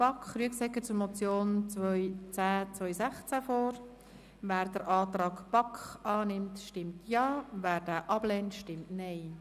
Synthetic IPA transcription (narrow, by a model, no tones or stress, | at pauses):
pɑkχɾyəksɛkːət͡sʊɾmɔt͡sjoːnt͡svœʏt͡sæːt͡svœʏjsæχt͡sæfoːɾ | væːɾdəɾʔɑːt̪ɾɑːkpɑkɑːnɪmtʃtɪmtʰjɑːvæːɾd̥æːʔɑb̥lɛntʃtɪmtneɪ